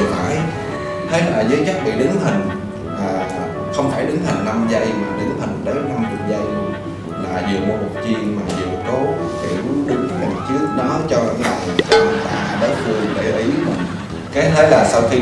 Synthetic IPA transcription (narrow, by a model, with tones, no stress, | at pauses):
faː˧˩j | h̪ʰe˨˦˥laː˨˩zəː˨˦jt͡ɕa˦˥k̚ɓḭ˧˨ɗɨ˨˦ŋhï˨˩ŋ̟ | ʔaː˨˩ | xə˧wŋ͡mfaː˧˩jɗɨ˨˦ŋh̪ə˨˩ŋ̟na˧mzə˧jmaː˨˩ɗɨ˨˦ŋhï˨˩ŋ̟ɗə˨˦t͡ɕɔ˧wŋ͡mt̪ʰḭ˨˩zə˧j | laː˨˩zɨ˨˩əmo˨˩t̚ku˨˩ə˩t͡ɕi˧ənmaː˨˩zɨ˨˩kɔ˨˦ | kḭ˧˩ʔu˨˦ʔu˨˧˦t̪a˨˩t͡ɕɨ˦˥ək̚ɗa˨˦ə˦t͡ɕɔ˧a˧˩nɗaː˨˩jka˧ma˨˩t̪a̰ː˧˩ɗəː˨˦fɨ˧əŋɗe˧˩ʔi˨˦mḭ˨˩ŋ | ka˨˦jt̪ʰe˨˦laː˨˩sa˧wxi˧